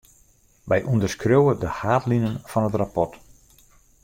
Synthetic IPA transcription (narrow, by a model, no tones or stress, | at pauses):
ʋɛjʔundərskrøwədəhaːtlinənfɑnɦətrapɔt